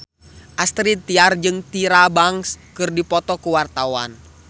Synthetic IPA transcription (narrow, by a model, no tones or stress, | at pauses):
ʔast̪ɾit̪iard͡ʒɨŋt̪iɾabaŋskɨrdipɔt̪ɔkuwart̪awa̰n